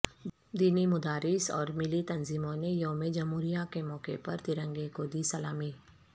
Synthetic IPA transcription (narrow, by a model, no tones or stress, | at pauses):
d̪iːnimʊd̪aːɾɪsɔ̰ːɾmɪlit̪ɐnziːmõnejoɦmẽd͡ʒɐmɦuːɾijakemɔːkḛpɐɾt̪ɪɾə̃ŋɡekod̪iːsɐlaːmiː